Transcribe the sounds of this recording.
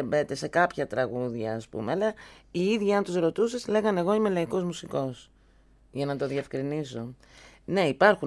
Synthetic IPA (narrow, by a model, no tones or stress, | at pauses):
be̞t̪e̞se̞kɐpçɐt̪ɾɐɣuðʝɐːspṵmeɐlɐiiðʝiɐnt̪uzɾo̞t̪usesle̞ɣɐne̞ɣo̞ime̞lɐiko̞zmusiko̞s | ʝɐnɐt̪o̞ðie̞fkɾiniso̞ | ne̞ipɐɾxu